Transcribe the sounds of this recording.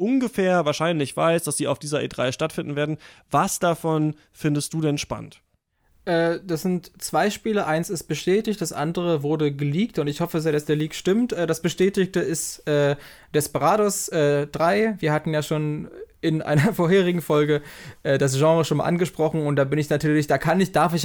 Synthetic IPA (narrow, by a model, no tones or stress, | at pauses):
ʔʊnɡəfɛːɐvaːɐʃaɪnlɪçv̥a̰ɪsd̥asz̥iːa̰ʊfd̥iːzɐʔḛːdʁa̰ɪʃtatfɪndn̩veːɐdn̩vasd̥afɔn | fɪndəst̚d̥uːdɛnʃpa̰nə̰nt | ʔɛːd̥asz̥ɪntt͡sv̥aɪʃpiːləʔaɪnsɪst̚b̥əʃtɛːtɪçt̚d̥asʔa̰ndəʁəvʊɐdəɡəliːk̚tʊntɪçhɔfəas̬jaːdasd̥eːɐliːkʃtɪmtʔɛːdasb̥əʃtɛːtɪçtəɪstʔɛː | d̥ɛspəʁaːdɔsʔɛːd̥ʁaɪviːɐhatn̩jaːʃoːnʔɪnʔa̰ɪnɐɐfoːɐɦeːʁɪɡŋ̩fɔlɡəʔɛːdas̬ʒ̥ɑ̃ːʁəʃoːnma̰ʔa̰nɡəʃpʁ̥ɔχn̩ʊnt̚d̥aːbɪnɪçnatʰyːɐlɪçd̥aːkʰanɪçd̥aɐfɪç